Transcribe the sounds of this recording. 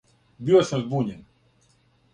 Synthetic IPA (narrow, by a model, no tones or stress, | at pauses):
biasɛmzbuɲʲɛn